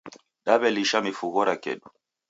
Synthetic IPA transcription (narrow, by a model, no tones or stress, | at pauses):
ɗaɓɛliʃamifuɣɔɾakɛ̰ɗu